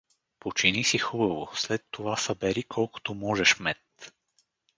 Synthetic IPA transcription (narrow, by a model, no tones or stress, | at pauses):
pot͡ʃinisixubɐvoslɛt̪ːovasəbɛɾikʰɔlˠko̥t̪omɔʒɛʃmɛt̪